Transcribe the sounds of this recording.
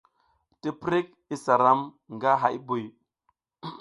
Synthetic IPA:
ti˦pɾi˦k̚ | i˦sa˨ɾa˦m | ŋɡa˦ɦa˦ji˦bu˨j

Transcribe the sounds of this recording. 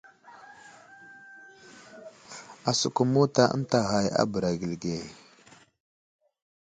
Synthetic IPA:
a˨su˨ku˨mu˦ta˦˨ʔə̰˦n˦ta˨ɣa˨ja̰˦bə˨ɾa˨ɡi˨lɡe˨

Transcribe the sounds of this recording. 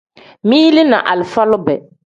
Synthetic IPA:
mĩ˦li˦nã̰˨ʔa˨lfa˦lʊ˦bɛ˨

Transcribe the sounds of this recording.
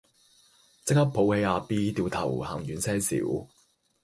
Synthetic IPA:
t͡sɪ˥k̚hɐ˥pʰːo˨˥whe˨˧jaː˨˧piː˥t̪iː˧wt̪ʰɐ̰˨˩whaː˨˩ŋjyː˨˥nsɛː˥sḭː˨˥w

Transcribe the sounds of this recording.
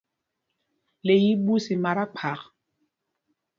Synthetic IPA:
le˨ji˦bu˦si˨ma˨ɾa˦k͡pʰa˨k

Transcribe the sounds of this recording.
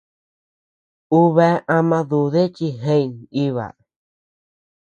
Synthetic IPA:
u˦βɛ˧˦ã˧mã˧ðu˨ðe˦t͡ʃi˧ɦẽ˧i˨ni˦βa̰˨

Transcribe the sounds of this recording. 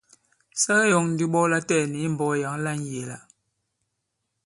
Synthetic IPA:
sa˦ɣɛ˦jɔ˨ŋn̩˨di˦ɓɔ˦la˦tɛː˦˨ni˨˦m̩˨bɔ˦˨ja˨˦ŋ˦la˦n˨je˨la˨

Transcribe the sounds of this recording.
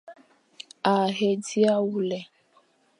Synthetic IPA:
a˨ɦe˨di˦a˦wu˦lɛ˨

